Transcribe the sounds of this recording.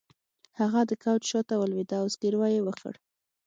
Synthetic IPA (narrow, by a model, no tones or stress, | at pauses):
haɣad̪əkawt͡ʃʃot̪awəlwid̪ɑwsɡiɾwɑjewəxə̰ɽ